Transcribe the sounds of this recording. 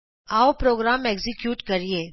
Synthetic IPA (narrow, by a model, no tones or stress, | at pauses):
aːopɾoːɡɾaːmeːɡzɪkjuːʈkɐɾieː